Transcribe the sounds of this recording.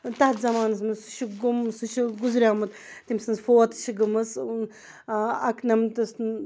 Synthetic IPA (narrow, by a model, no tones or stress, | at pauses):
t̪aht̪zɐmaːnɐs̬mɨsuʃiɡumsuʃiɡuzɾʲaːmɨt̪t̪imsɨnzfoɐt̪ɨ̥ʃiɡɨmɨsn | ɐknɐmt̪ɨs